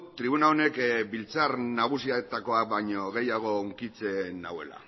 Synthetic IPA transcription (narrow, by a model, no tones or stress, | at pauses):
t̪ɾiβ̞unaone̞kbilt͡sarnaɣ̞usiaet̪ako̞ak̚baɲo̞ɣe̞jaɣ̞o̞oŋkit͡se̞na̰we̞̰la̰